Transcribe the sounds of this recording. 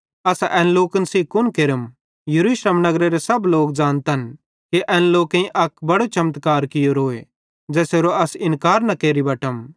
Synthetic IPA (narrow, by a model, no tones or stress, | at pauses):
ɐsʔɛːnloːkənsiːkʊnkeːɾəm | jɐɾuːʃleːmnɐɡɾeɾesɐbloːkd͡ʒãːnt̪ɐn | keʔɛ̃ːnloːkẽĩʔɐkbɐɽot͡ʃɐmət̪kaːɾkɪjoɾoːe | d͡ʒɛːseːɾoɐsɪ̃nkaːɾnɐkeːɾibɐːʈəm